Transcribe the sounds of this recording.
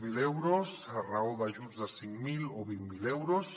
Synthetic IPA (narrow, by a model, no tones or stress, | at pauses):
milewɾosaraoðaʒuzðasiŋkmiloβimmilewɾos